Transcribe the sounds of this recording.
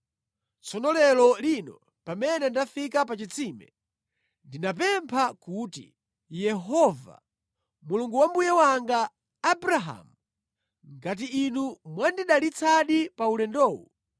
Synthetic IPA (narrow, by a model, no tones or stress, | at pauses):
t͡sʰɔnɔlɛlɔlinɔ | pamɛnɛndafikapat͡ʃit͡sʰimɛ̰ | ndinap̬ɛmpʰakutḭ | jɛɦɔva̰ | muluŋɡuwambujɛwaŋɡaː | bɾaɦa̰mu | ŋɡat̬iːnumwandiɗalit͡sʰaɗipaulɛndɔːwu